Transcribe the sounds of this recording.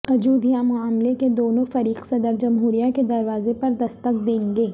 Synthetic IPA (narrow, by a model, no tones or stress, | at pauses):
ɐd͡ʒuːd̪ʱijamʊaːmleked̪oːnõfɐɾiːqsɐd̪əɾd͡ʒɐmɦuːɾijaked̪ɐɾʋaːzepɐɾd̪ɐst̪əqd̪ẽːŋɡeː